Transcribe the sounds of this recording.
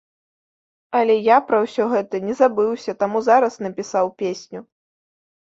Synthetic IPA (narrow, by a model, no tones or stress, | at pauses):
ɐlʲɛjapɾɐwsʲɔɣɛt̪ɐnʲɛzabɨwsʲɐt̪amuzaɾɐsnɐpʲisawpʲesʲnʲu